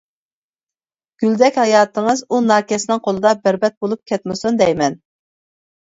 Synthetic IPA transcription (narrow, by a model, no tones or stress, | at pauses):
ɡ̥ʲyld̪ɛkʲhɑjɑːt̪ʰəŋɨzunɑːkʲʰɛsɪnɪŋqʰolˠɨd̪ɑbæɾbɛt̪̚bolˠup̚kʲʰɛt̪̚mɪsund̪ɛjmɛn